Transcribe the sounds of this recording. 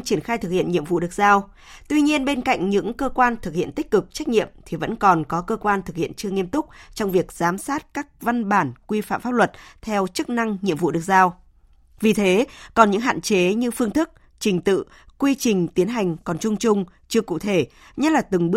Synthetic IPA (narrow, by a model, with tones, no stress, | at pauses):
t͡ɕi˧˩ənxaː˧jt̪ʰɨ˨˩k̚hḭ˧˨ənɲḭ˧˨əmvṵ˧˨ɗɨ˨˩ək̚zaː˧w | t̪wi˧ɲi˧ənɓe˧nka̰˧˨jŋ̟ɲɨ̰˧˥ŋkəː˧kwaː˧nt̪ʰɨ˨˩k̚hḭ˧˨ənt̪i˦˥k̟̚kɨ˨˩k̚t͡ɕa˦˥k̟̚ɲḭ˧˨əmt̪ʰi˨˩və̰˧˥nkɔ˨˩nkɔ˨˦kəː˧kwaː˧nt̪ʰɨ˨˩k̚hḭ˧˨ənt͡ɕɨ˧əŋi˧əmt̪ʊ˦˥k͡p̚t͡ɕɔ˧wŋ͡mvi˨˩ək̚zaː˨˦msaː˦˥t̚kaː˦˥k̚va˧nɓaː˧˩nkwi˧fa̰ː˧˨mfaː˦˥p̚lwə˨˩t̚t̪ʰɛ˧wt͡ɕɨ˦˥k̚na˧ŋɲḭ˧əmvṵ˧˨ɗɨ˨˩ək̚zaː˧w | vi˨˩t̪ʰe˨˦kɔ˨˩nɲɨ̰˧˥ŋɦa̰ː˧˨nt͡ɕe˨˦ɲɨ˧fɨ˧əŋt̪ʰɨ˦˥k̚ | t͡ɕï˨˩ŋ̟t̪ɨ̰˧˨ | kwi˧t͡ɕï˨˩ŋ̟t̪i˨˦ənɦa˨˩jŋ̟kɔ˨˩nt͡ɕʊ˧ŋ͡mt͡ɕʊ˧ŋ͡m | t͡ɕɨ˧əkṵ˧˨t̪ʰe˧˩ | ɲə˦˥t̚laː˨˩t̪ɨ˨˩ŋɓə